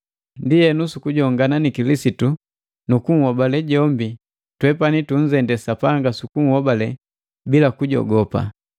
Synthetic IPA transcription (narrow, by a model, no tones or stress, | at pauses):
ndijɛnusukuɟɔŋɡananikilisitu | nukuŋ̩hɔbalɛɟɔmbi | twɛpanituɲ̩zɛndɛsapaŋɡasukuŋ̩hɔbalɛ | bilakuɟɔ̰ɡɔpa̰